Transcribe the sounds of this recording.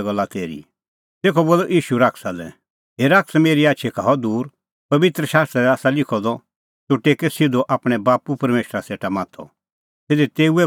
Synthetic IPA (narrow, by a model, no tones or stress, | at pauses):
ɡɐlːat̪eːɾḭ | t̪eːkʰɔboːlːɔʔiːʃuɾaːksalɛ̰ | ɦeːɾaːksmeːɾiaːtːʃʰɛkʰaːɔd̪uːɾ | pɐʋɪt̪ɾəʃaːst̪ɾɛɛaːsalɪkʰɔd̪ɔ | t̪uʈeːkɛsɪd̪oʔaːpɽ̃ɛbaːpupɐɾmeːʃɾaseːʈamãːt̪ʰɔ̰ | sed̪ɛt̪eːuɛ